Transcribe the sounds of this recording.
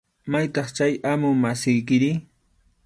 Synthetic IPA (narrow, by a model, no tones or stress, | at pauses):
majt̪ɑχt͡ʃajamʊmasɪjk̬ɪɾɪ